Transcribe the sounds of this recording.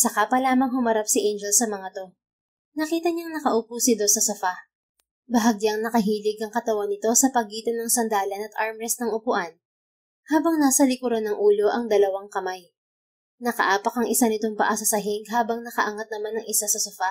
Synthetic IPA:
sɐkaːpɐlaːmɐŋɦʊmɐɾapsɪʔɛjnd͡ʒɛlsɐmɐŋat̪o̞ | nɐkiːt̪ɐɲaŋnɐkɐʔʊpusɪd̪o̞sɐsɐfa | bɐɦɐɡjaŋnɐkɐɦiːlɪɡɐŋkɐt̪ɐwanɪt̪o̞sɐpɐɡiːt̪ɐnɐŋsɐnd̪aːlɐnɐt̪ʔaɹmɾɛsnɐŋʊpʊʔan | haːbɐŋnaːsɐlɪkʊɾonɐŋʔuːloʔɐŋd̪ɐlɐwaŋkɐmaj | nɐkɐ̰ʔaːpɐkɐŋʔɪsanɪt̪o̞ŋpɐʔasɐsɐɦɪŋɡɦaːbɐŋnɐkɐʔɐŋat̪̚nɐmanɐŋʔɪsasɐsofa

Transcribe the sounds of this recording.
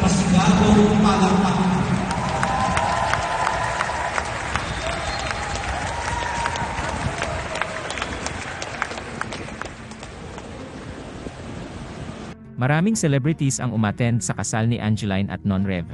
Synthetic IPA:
pɐsɪɡaːd̪opaːlɐp̪at | mɐɾaːmɪŋsɛlɛbɾɪt̪isɐ̰ŋʊmaːt̪ɛnd̪̚sɐkɐsalnɪʔand͡ʒɛlajnʔɐ̰t̪̚nɔnɹɛ̰v

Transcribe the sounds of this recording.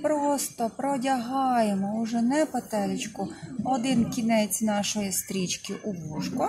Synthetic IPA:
pɾɔst̪ɔpɾɔdʲɐɦɑjemɔʊʒɛnɛpɔt̪ɛlʲɪt͡ʃkʊɔd̪ɪnkʲinɛt͡sʲnɑʃɔjist̪ɾʲit͡ʃkɪʔʊbuʃkɔ

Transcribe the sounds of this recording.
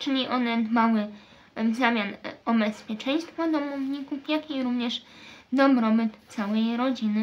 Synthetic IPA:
t͡ʂɘlʲiʔɔnɛd̪mawɘ | zamʲjanɔbɛspʲjɛt͡ʂɛɲ̃st̪fɔd̪ɔmuvɲikufjakʲijɾuvɲɛʂd̪ɔbɾɔbɘt̪t̪sawɛjɾɔd͡ʑinɘ

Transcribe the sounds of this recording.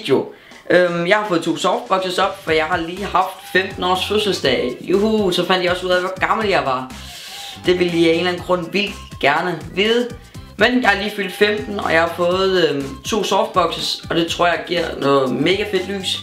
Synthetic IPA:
d̥jo̝ | ʔømjɑ̈ɪhɑfɔ̽ːð̩ˠt͡sʰo̝̰ːsɒfd̥̚b̥ɒ̽ɡ̥səsɒ̽b̥fɒjɑ̈ɪhɑ̈liːhɑ̈fd̥femd̥n̩ɒ̰ːsføsəlsd̥ɛ̰juhusɒ̽fænd̥jɑ̈ɒ̽suð̰ˠæʋɒɡ̥ɑ̈ml̩jɑ̈ɪʋɑ̈ | d̥e̝ʋe̝lje̝ːnlæn̩ɡ̥ʁɔ̽n̰ʋil | ɡ̥æɐnəʋiðˠ | menjɑ̈hɑ̈liːfyl̰d̥femd̥n̩ɒ̽jɑ̈hɑ̈fɔ̽ːð̩ˠt͡sʰo̝̰ːsɒːfd̥̚b̥ɒ̽ɡ̥səsɒ̽d̥e̝t͡sʰʁo̝ɐ̰jɑ̈ɪɡ̥iɐ̰nɔːð̩ˠme̝ːɡ̥æfe̝d̥ly̰ːs

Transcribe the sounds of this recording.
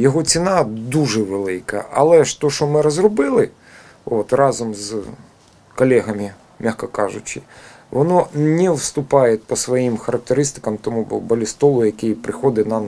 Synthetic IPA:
jɔɦɔt͡sʲinɑd̪uʒɛʋelˠɪkɐ̰ɐ̰lˠɛʃt̪ɔʃɔmɪɾɔzrɔbɪlˠɪ | ot̪rɑzɔmz | kɔlʲɛɦɐmʲɪ | mʲaxkɐkɑʒʊt͡ʃɪ | ʋɔnɔnʲɛwst̪ʊpɑjepɔsʋɔjimxɐɾɐk̚t̪eɾɪst̪ɪ̥kɐmt̪ɔmubɐlʲist̪ɔlˠʊjɐkɪjpɾɪxɔd̪ɪnɑm

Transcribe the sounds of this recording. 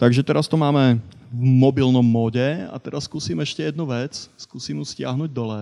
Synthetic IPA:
t̪aɡʒɛt̪ɛɾast̪ɔmaːmɛ | vmɔbilnɔmːɔːɟɛa̰t̪ɛɾasskuːsiːmɛʃcɛjɛd̪nuʋɛt͡sskuːsiːmjuscɪaɦnuːɟd̪ɔlɛː

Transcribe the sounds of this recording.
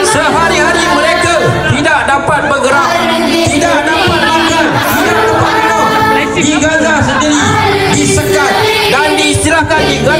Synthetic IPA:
səɦaɾiɦaɾiməɾeka | t̪idaʔ̚dapat̪̚bəɡəɾaʔ̚ | t̪idakdapat̪̚baɡən | idak̚dapat̪̚ | a | lɛtidiɡaɡasəndiɾi | disəkat̪̚ | dandiːst̪iɾahkandiɡa

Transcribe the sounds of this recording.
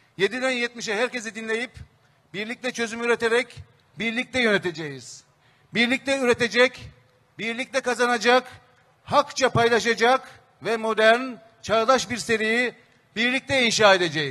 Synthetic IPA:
je̞d̪id̪ænjɛt̪̚miʃɛɦæɾce̞zid̪inlʲe̞jip | b̥iɾlʲic̚t̪ʰɛt͡ʃʰø̞zymyyɾe̞t̪ʰe̞ɾɛc | biɾlʲic̚t̪ʰɛjø̞net̪ʰed͡ʒejiz̥ | biɾlʲic̚t̪ʰɛyɾe̞t̪e̞d͡ʒɛc | biɾlʲic̚t̪ʰɛkazanad͡ʒak | hakt͡ʃʰapajlˠaʃad͡ʒak | vɛmo̞d̪æɾn | t͡ʃʰaɾd̪aʃbiɾse̞ɾiji | biɾlʲic̚t̪ʰɛinʃaːe̞d̪e̞d͡ʒɛjiz

